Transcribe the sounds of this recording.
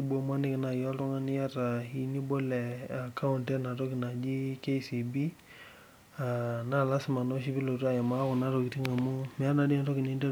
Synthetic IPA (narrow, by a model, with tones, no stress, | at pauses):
i˦bo˨ma˦nɪ˦kna˨jɔ˦tɔ˦ŋa˦nɪ˦ja˦ta˨i˨ni˦bo˦lɛ˨a˨kʰa˦u˨ntɛ˦na˨tɔ˦kɪ˨na˨d͡ʒi˦ke˦si˨bi˦ | a˨na˦la˦sɪ˦ma˨no˦ʃ̬i˦bi˦lo˨tu˦a˦˨jɛ˨ma˦kʊ˨na˦ɾo˨ki˨ti˦ŋa˨mu˦mɪ˨a˦na˨di˦a˨to˦kɪ˨ni˦ndɛ˦